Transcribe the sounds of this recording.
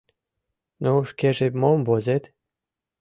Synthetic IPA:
nouʃkeʒemombozet̪

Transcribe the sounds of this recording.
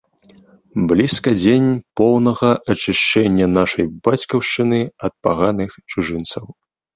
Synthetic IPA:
blʲiskɐd͡zʲenʲpɔwnɐɣɐʔɐt͡ʂɨʂt͡ʂɛnʲːɐnaʂɐjbat͡sʲkɐwʂt͡ʂɨnɨɐt̪̚paɣanɨxt͡ʂuʐɨnt̪sɐw

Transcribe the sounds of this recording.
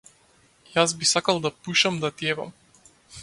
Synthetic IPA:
jazbisakalˠd̪apuʃamd̪at̪ɛva̰m

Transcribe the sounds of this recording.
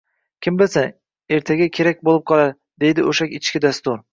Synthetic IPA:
kʲʰɪmbɪlsa | e̞ɾt̪ʰaɡʲakʲʰe̞ɾakʲbolˠɪp̚qʰɒlˠaɾ | d̪e̞jd̪ɪoʃakʲɪt͡ʃkʲɪd̪ast̪ʊɾ

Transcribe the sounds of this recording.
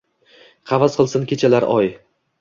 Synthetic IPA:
qʰɑvasqʰɨlˠsɪnkʲʰe̞t͡ʃʰalaɾʔɒj

